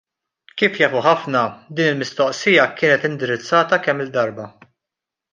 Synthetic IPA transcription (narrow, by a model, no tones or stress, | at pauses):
kiːfjɐːfuħɐfnɐd̪iːnɪlmɪst̪ɔʔsɪjɐkɪːnɛt̪ɪnd̪ɪɾɪt͡sːɐːt̪ɐkɛmːɪld̪ːɐɾbɐ